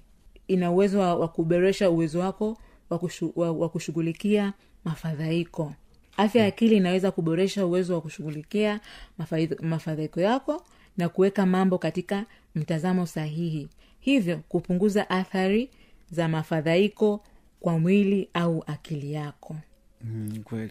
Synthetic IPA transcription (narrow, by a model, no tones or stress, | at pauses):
inauwɛzɔwakuɓɔɾɛʃauwɛzɔwakɔ | wawakuʃuɣulikia | mafaðaikɔ | afjajakiliːnawɛzakuɓɔɾɛʃauwɛzɔwakuʃuɣulikia | mafaðaikɔjakɔ | nakuwɛkamambɔkatika | m̩tazamɔsaɦihi | hivjɔkupuŋɡuzaʔaθaɾi | zamafaðaikɔ | kwamwiliauʔakilijakʰɔ | wɛ